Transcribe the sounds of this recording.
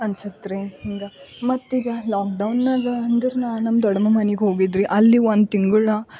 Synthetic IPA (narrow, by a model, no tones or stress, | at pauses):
ɐnsɐt̪ɾehiŋɡɐmɐt̪ːiɡ̪ɐlaːk̚ɖɐwnːaːɡɐnd̪ɐɾunaːnɐmːɐd̪ɔɽɐmɐmɐneɡeɦo̞ːɡid̪ɾiʔɐlːiʋond̪t̪iŋɡuɭɐ